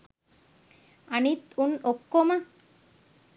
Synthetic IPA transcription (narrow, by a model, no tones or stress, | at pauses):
anit̪unokːoma